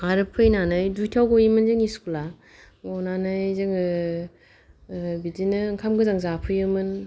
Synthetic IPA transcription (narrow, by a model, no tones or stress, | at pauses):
aɾɯpʰɯjnanɯjdujtʰawɡojimɯnzɯŋiskula | ɔnanɯjzɯŋɯ | bidinɯɯŋkʰamɡɯzaŋzapʰɯjɯmɯn